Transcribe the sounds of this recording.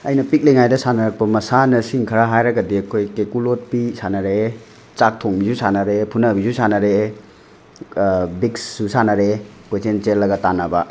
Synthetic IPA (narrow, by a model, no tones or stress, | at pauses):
ɐjnɐpik̚leŋajdɐsanɐɾɐk̚pɐmɐsanɐsiŋkʰɐɾaɦajɾɐɡɐdiɐkʰojkekulot̚pisanɐɾe | t͡ʃak̚tʰoŋbizusanɐɾepʰunɐbizusanɐɾe | biksːusanɐɾe | kojt͡ʃent͡ʃelːɐɡɐtanɐbɐ